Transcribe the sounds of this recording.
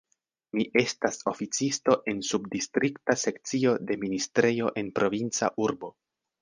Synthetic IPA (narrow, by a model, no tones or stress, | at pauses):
miʔe̞staso̞fit͡sisto̞ʔe̞nsubdistɾiktase̞kt͡sio̞de̞ministɾe̞jo̞ʔe̞npɾo̞vint͡sa̰ʔuɾbo̞